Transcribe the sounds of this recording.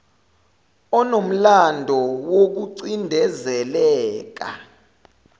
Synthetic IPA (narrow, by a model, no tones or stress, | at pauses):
ɔnom̩landʱɔwok̬uǀindʱɛzɛlɛːk̬a̰